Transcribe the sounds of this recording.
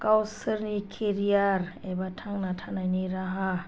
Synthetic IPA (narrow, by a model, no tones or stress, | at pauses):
kawsɯɾnikʰeɾiaɾɛbatʰaŋnatʰanajniɾaɦa